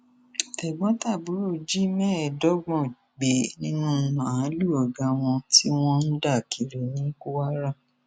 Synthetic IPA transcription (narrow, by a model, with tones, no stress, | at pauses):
ɛ˨ɡ͡bɔ̃˨˦ta˦˨bu˨˦ɾo˦˨d͡ʒi˦mɛ̃˦ɛ˨dɔ˦ɡ͡bɔ̃˦˨ | ɡ͡be˨˦nĩ˦nũ˦˨˧mã˨ã˨˦lu˦˨ɔ˨ɡã˨w̃ɔ̃˧ti˦w̃ɔ̃˦n̩˦da˦˨ki˨ɾe˨nĩ˨˦ku˦wa˦ɾa˦˨